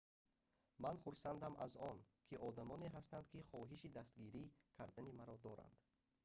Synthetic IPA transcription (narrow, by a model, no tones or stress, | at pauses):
manχuɾsand̪amʔa̰zɔn | kʰiʔɔd̪amɔneɦast̪and̪kʰiχɔɦiʃid̪ast̪ɡiɾikʰa̰ɾd̪animaɾɔd̪ɔɾa̰nd̪̥